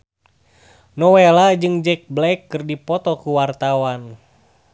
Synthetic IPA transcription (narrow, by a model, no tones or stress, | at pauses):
nɔwelad͡ʒɨŋd͡ʒɛk̚blɛkːɨrdipɔt̪ɔkuwart̪awan